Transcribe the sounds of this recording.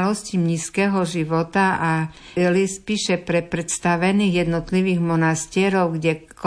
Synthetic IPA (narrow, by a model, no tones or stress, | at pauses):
lɔscimɲiːskɛːɦɔʒiʋɔt̪aʔa | lispiːʃɛpɾɛpɾɛt̪st̪aʋɛniːɣjɛd̪nɔt̪liʋiːɣmɔnast̪ɪɛɾɔʊɡɟɛ | k